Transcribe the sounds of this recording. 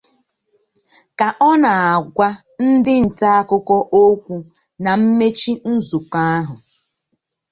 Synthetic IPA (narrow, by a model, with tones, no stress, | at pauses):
ka˨ʔɔ˦na˨a˨ɡʷa˦ | n̩˦dɪ˦n̩˨ta˦a˦kʊ˦kɔ˦ʔo˦kʷu˦ | na˨m̩˦me˦t͡ʃi˦n̩˦zu˨ka˦a˦ɦʊ˨